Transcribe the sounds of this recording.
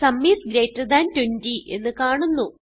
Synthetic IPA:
sɐmːiːsɡɾeːtːɐd̪aːntwentiʔe̞̰nːɨkaːɳunːu

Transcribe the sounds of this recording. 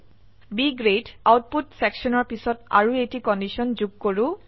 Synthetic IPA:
biɡɹedawt̚putsɛksɔnɔɹpisɔta̰ɹuejtikɔndisɔnzuɡ̚koɹʊ̃

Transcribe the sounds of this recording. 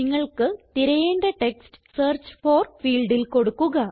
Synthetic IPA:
iŋːɐɭkɨt̪iɾɐjeːnɖeʈeksʈseːrt͡ɕːfoːrfiːlɖilko̞ɽukːuɣɐ

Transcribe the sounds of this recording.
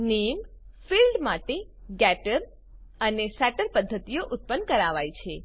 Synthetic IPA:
nem | filɖmaʈe | ɡɛʈəɾ | ənesɛʈəɾpəd̪ʱːət̪ijoʔʊt̪̚pənkəɾaʋajt͡ʃʰe

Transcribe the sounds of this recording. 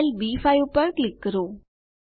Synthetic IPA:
lbiːfajupəɾklɪkːəɾoː

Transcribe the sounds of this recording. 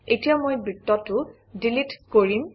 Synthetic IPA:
etijamojbɹitːɔtʊ | dilitkoɹim

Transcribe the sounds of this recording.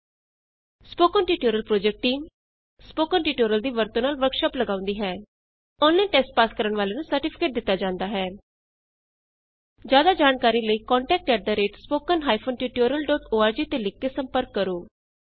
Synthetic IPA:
spoːkənʈiːʈoːɾəlpɾoːd͡ʒɛk̚ʈʈiːm | spoːkənʈiːʈoːɾəld̪iːʋəɾt̪õːnaːlʋəɾkʃɔːpləɡaːʊ̃nd̪iːɦɛː | oːnlːẽːʈɛsʈ̚paːskəɾəɳʋaːleːnũːsəɾʈɪpʰɪ̥keːʈ̚d̪ɪt̪ːaːd͡ʒãːnd̪aːɦɛː | d͡ʒjaːd̪aːd͡ʒaːnkaːɾiːləiːkɔ̃ːɳʈɛːk̚ʈkɛːʈ̚d̪aːɾeːʈspoːkənɦaːipʰoːnʈiːʈoːɾəlɖɔːt̪oːaːɾd͡ʒiːt̪eːlɪkːeːsəmpəɾkːəɾoː

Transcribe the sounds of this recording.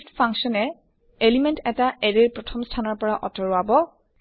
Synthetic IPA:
tpʰãŋksɔnɛ | elimɛntɛtaʔɛɹeɹpɹɔtʰɔmstʰanɔɹpɔɹaʔɔtɔɹɔabɔ

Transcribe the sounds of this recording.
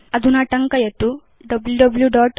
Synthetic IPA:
ɐd̪unɐʈɐŋkɐjɐt̪ːu | ɖɐbljuɖɐbljuɖaːʈ

